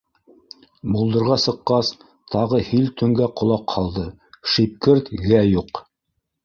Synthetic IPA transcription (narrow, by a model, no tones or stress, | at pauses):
mulˠd̪ɤ̆ɾʁɑsɤ̆qːɑs | t̪ʰɑʁɤhilt̪ɵ̆ŋɡæqŏlˠɑqʰɑlˠd̪ɤ | ʃip̚kɘɾt̪ɣæjuq